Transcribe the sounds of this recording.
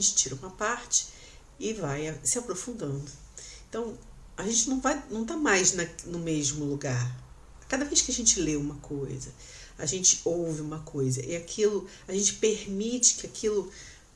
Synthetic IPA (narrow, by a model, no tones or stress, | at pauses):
ʒẽnt͡ʃɪ̥t͡ʃiɾɐũmɐpaɾt͡ʃɪ̥ | ɪvajasɪapɾofũnd̪ɐ̃nd̪ʊ | ẽt̪ɐ̃w̃ | aʒẽnt͡ʃɪnɐ̃w̃vajnɐ̃w̃t̪amajznɐnʊmeʒmʊluɡaɾ | kad̪ɐvejskɪɐʒẽnt͡ʃɪleũmɐkʰojzɐ | aʒẽnt͡ʃɪ̥owvɪũmɐkʰojzɐʔɪakʰilʊ | aʒẽnt͡ʃɪ̥peɾmit͡ʃɪ̥kɪakʰilʊ